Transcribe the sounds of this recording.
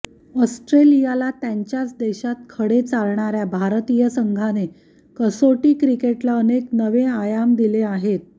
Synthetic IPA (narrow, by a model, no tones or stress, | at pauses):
ɔsʈɾelijalat̪jaɲt͡ɕjat͡sd̪eɕat̪̚kʰəɽet͡salɳaɾjabʱaɾt̪ijəsəŋɡʱane | kəsoʈiːkɾikeʈlaəneknəʋeajamd̪ileaɦet̪̚